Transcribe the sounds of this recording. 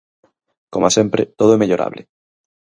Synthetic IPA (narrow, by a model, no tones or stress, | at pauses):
komasempɾet̪oð̞oɛmeʎoɾʔa̰β̞le